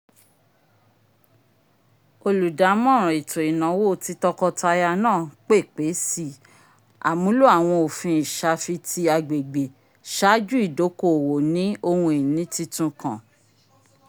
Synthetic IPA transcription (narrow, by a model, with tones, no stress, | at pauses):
o˧lu˨da˨˦mɔ̃˦˨ɾ̃ɔ̃˨i˨tʰo˨i˨nã˨˦wo˦ti˧tɔ˧kɔ˧ta˧ja˧nãː˦˨k͡pe˦˨k͡pe˨˦si˦˨ | a̰˨mũ˨˦lu˦a˦˨w̃ɔ̃˧o˨fĩ˧i˨ʃa˧fi˧ti˧a˧ɡ͡be˨ɡ͡be˨ | ʃa˨˦d͡ʒu˦i˦˨do˨˦ko˦˨wo˨nĩ˨˦o˧hũ˧i˨nĩ˨˦ti˧tũ˧kã̰˨